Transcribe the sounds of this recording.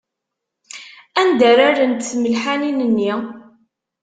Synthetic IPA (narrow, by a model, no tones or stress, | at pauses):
ænd̪əɾaɾənt̪θməlħaninənːi